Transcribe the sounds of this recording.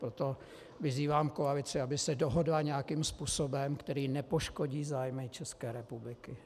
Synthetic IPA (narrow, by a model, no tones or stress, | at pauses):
pɾot̪o̞ | vɪziːvaːmkoalɪt͡sɪabɪsɛdoɦo̞dlaɲɛjakiːmspuːso̞bɛmkt̪ɛɾiːnɛpo̞ʃko̞ɟiːzaːjmɪt͡ʃɛskɛːɾɛpublɪkɪ